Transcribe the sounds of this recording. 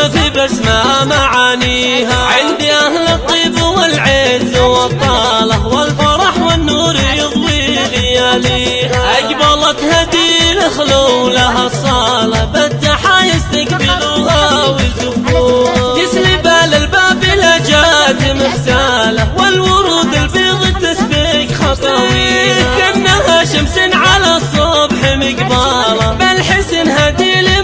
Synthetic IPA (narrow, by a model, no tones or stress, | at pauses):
afibasmaʔamaʕaːniːɦaʕɪnd̪iʔahlɪt̪ˤːiːbwɪlʕezwɑt̪ˤːɑːlɑħwɪlfɑɾˤɑħwɪnːuːɾijɨðˤwilɪjaliːhaʔakbɑlˤɑt̪had̪ilɪxlulaɦasˤɑlɑbat̪ːaħajɪst̪akbɪluhawɪd̪ʊbuːɣjɪslibaːlɪlbaːbɪlad͡ʒat̪ɪmɪxsalawɪlwʊɾˤuːd̪ɪlbiːɣit̪ːasbikxɑt̪ˤi | kanːahaʃɪmsɪnʕalasˤobħɪmɪkbaːlɑbalħɪsːɪnɦad̪ili